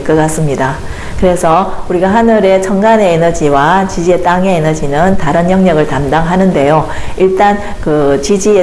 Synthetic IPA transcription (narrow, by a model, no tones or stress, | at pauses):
k͈ʌk͈as͈ɯmɲida | kɯɾe̞sʰʌuɾiɡaɦanɯɾe̞t͡ɕʰʌŋɡane̞ːnʌd͡ʑiwat͡ɕid͡ʑie̞t͈aŋe̞ːnʌd͡ʑinɯntaɾɯnjʌŋɲʌɡɯɭtandaŋɦanɯnde̞joiɭt͈an | kɯt͡ɕid͡ʑie